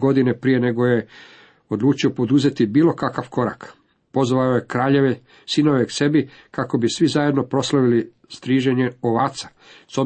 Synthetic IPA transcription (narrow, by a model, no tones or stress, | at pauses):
ɡo̞d̪inepɾije̞ne̞ɡo̞je̞ | o̞d̪lˠuːt͡ʃio̞po̞d̪uze̞t̪ibiːlˠo̞kakaʋko̞ɾa̰k | po̞zʋaojekɾaːʎeʋe | sino̞ʋekse̞bi | kako̞bisʋizajed̪no̞pɾo̞slaʋili | st̪ɾiːʒe̞ɲe̞oʋaːt̪sḁ | so